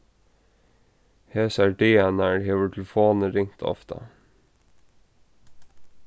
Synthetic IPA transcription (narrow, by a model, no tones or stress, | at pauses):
hɛsæɖeːnæɹɦeːvət̪ʰlfoːnəɾɪŋt̪ʰɔ̰ft̪ʰɑ̰